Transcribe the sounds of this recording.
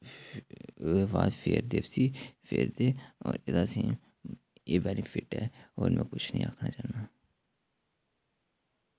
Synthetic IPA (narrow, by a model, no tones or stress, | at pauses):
baːd̪pʰeːɾd̪eːʋsiːfʰeːɾd̪eːɔːɾed̪aːsĩː | eːbɛːnipʰɪʈɛ̰ːoːɾmɛ̃ːkʊt͡ʃʰnĩːaːkʰnaːt͡ʃaːnaː